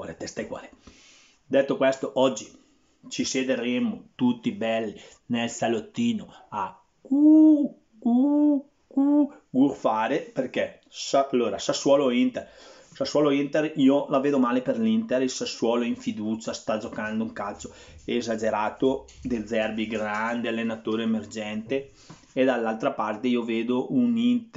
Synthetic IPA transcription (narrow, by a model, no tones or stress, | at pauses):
oɾet̪ɛst̪ajkwa̰ːle | d̪ɛt̪ːokwɛst̪oʔɔd͡ʒːi | t͡ʃised̪eɾemot̪ut̪ːibɛlːi | nelsalot̪ːiːnoa | ku | ku | ku | ɡurfaːɾeperkɛ | saalːoːɾasasːwɔːloint̪er | saswɔːloint̪eriːolaveːd̪omaːleperlint̪eɾisaswɔːloiɱfid̪uːt͡ʃast̪ad͡ʒokand̪ouŋkalso | eːzad͡ʒeɾaːt̪od̪ed̪zɛrbiɡɾand̪ealːenat̪oːɾeemerd͡ʒɛnt̪eː | d̪alːalt̪ɾapart̪eioveːd̪oʔunint̪